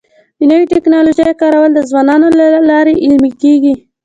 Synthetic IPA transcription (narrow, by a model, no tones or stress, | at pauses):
dinəwiʈɪknɑloʒajkɑɾawəld̪əzwɑnɑnolalɑɾeʔɪlmikeɡi